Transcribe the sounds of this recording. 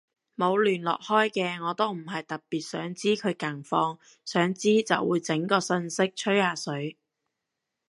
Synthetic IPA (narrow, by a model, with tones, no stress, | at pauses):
mo˨˧wlyː˨˩nlɔ̰ː˨k̚hɔː˥jkɛː˧ŋɔː˨˧t̪o˥wm̩˨˩ɦɐ˨jt̪ɐ˨p̚piː˨˩t̚sœː˨˥ŋt͡siː˥kʰɵ˨˧ɥkɐ˨˩ŋfɔː˧ŋ | sœː˨˥ŋt͡siː˥t͡sɐ̰˨wuː˨˧jt͡sɪ˨˥ŋkɔː˧sɵ˧nsɪ˥k̚t͡ʃʰɵ˥ɥhaː˧˩sɵ˨˥ɥ